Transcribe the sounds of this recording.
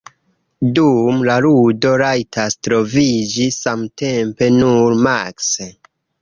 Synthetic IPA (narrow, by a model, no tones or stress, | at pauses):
dumlaɾudo̞ɾajtʰastɾo̞vid͡ʒisamte̞mpe̞nuɾmakse